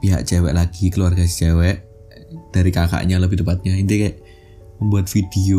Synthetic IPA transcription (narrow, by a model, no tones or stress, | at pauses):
piɦa̰ʔ̚t͡ʃɛwɛ̰ʔlaɡ̥ikəluarɡast͡ʃɛwɛʔ | d̪̥aɾikaka̰ʔɲaləbiht̪əmpat̪̚ɲaint̪ikaʔ | məmbuat̪̚fid̪̥eo